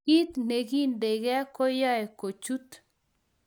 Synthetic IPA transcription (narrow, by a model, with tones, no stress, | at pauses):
i˦t̪ne˨ɡi˦nde˨ɡɛ˦kɔ˦ja˦e˨ko˨t͡ʃu˦t̪